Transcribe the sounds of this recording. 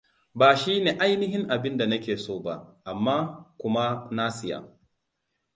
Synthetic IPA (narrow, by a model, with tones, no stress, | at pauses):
baː˨ʃiː˦neː˨ʔa˦jnɪ˦ɦɪ˦ŋʔa˨bɪ˦nda˨nɐ˦kʲeː˨soː˦ba̰˦ʔʔa˨mːaː˦kʷʊ˦ma˦na˦sɪ˨ja̰˨